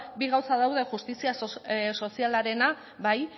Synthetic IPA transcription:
biɣawsaðawðe̞ʝust̪isiaso̞sialaɾe̞na | βaj

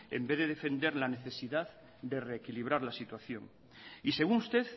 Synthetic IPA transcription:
ḛmbeðe̞ðe̞fe̞nd̪e̞ɾlane̞θe̞siðað | d̪ere̞ːkiliβ̞ɾaɾlasit̪waθjo̞̰ŋ | ise̞ɣ̞uŋust̪e̞θ

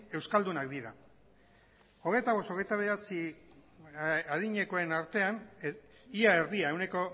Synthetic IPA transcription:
e̞wskald̪unakd̪iɾa | o̞ɣ̞e̞jt̪aβo̞so̞ɣ̞e̞jt̪aβeat͡si | aðiɲe̞koe̞naɾt̪e̞an | iaeɾðiae̞wne̞ko̞

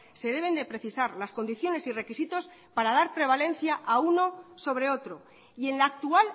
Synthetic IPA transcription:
se̞ð̞e̞β̞e̞nd̪e̞pɾe̞θisaɾlasko̞nd̪iθjo̞ne̞sire̞kisit̪o̞s | paɾað̞aɾpɾe̞β̞ale̞n̟θjaʔauno̞so̞β̞ɾe̞o̞t̪ɾo̞ | ie̞nlaːk̚t̪ual

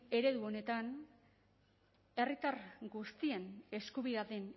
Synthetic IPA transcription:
e̞ɾe̞ðuo̞ne̞t̪an | e̞rit̪arɡust̪ie̞ne̞skuβiðaðen

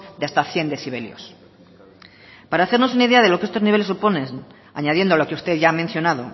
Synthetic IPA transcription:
d̪east̪aθje̞nd̪eθiβ̞e̞ljo̰s | paɾaːθeɾno̞sunaiðe̞aðe̞lokee̞st̪o̞zniβelesupo̞ne | a̰ɲaðje̞nd̪olo̞keust̪eðʝaːmen̟θjo̞naðo̞

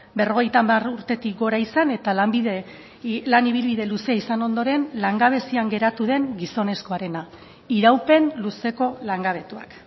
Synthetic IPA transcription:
be̞ro̞ɣ̞e̞jt̪amaruɾt̪e̞t̪ik̚ɡo̞ɾaisane̞t̪alambiðe | laniβ̞ilβiðe̞luseaisano̞nd̪o̞ɾe̞nlaŋɡaβ̞e̞siaŋɡe̞ɾat̪uðe̞ŋɡiso̞ne̞sko̞aɾe̞na | iɾawpe̞nluse̞ko̞laŋɡaβ̞e̞t̪ua̰k

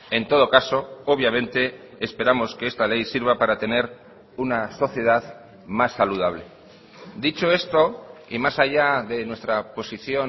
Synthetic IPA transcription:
e̞nt̪o̞ð̞o̞kaso̞oβ̞jamẽ̞nt̪e̞ː | spe̞ɾamo̞skeest̪ale̞jsiɾβapaɾat̪e̞ne̞ɾ | unaso̞θje̞ð̞að | masːaluð̞aβle̞ | d̪it͡ʃo̞e̞st̪o̞ḭmasaʝaðe̞nwe̞st̪ɾapo̞siθjo̞

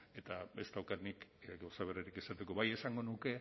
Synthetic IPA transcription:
e̞t̪abe̞st̪awkat̪nikɡawsaβe̞riɾikesat̪e̞ko̞βaje̞saŋɡo̞nuke̞

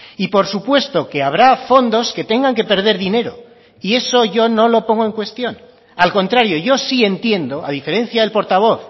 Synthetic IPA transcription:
ipo̞ɾsupwe̞st̪o̞ke̞aβ̞ɾafo̞nd̪o̞ske̞t̪e̞ŋɡaŋke̞pe̞ɾðe̞ɾðine̞ɾo̞̰ | ie̞so̞ʝo̞no̞lo̞po̞ŋɡo̞e̞ŋkwe̞st̪jo̞n | alko̞nt̪ɾaɾjo̞ʝo̞sie̞nt̪je̞nd̪o̞aðife̞ɾe̞n̟θjaðe̞lpo̞ɾt̪aβ̞o̞θ

